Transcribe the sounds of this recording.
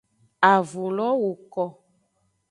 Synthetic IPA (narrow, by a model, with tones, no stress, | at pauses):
a˨vu˨lɔ˦wu˨kɔ˨